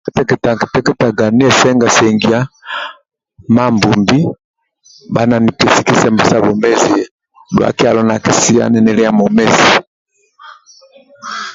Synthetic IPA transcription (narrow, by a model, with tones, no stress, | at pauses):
kɛ˦tɛ˦kɛ˨ta˨ki̥˨tɛ˦kɛ˦ta˨ɡa˨ni˦ɛ˨sɛ˦ŋɡa˨sɛ˨ŋɡi˦a˦ | ma˦mbu˨mbi˦ | ba˦na˨ni˨pɛ˨si˨ki˦sɛ˦mbɛ˨sa˦βɔ˨mɛ˦zi˨˦ | dwa̰˨ki˦a˨lɔ˦na˨ki˨si˦a̰˦˨nɛ˨nɛ˨lɛ˦a˦˨mɔ˨mɛ˦zi˨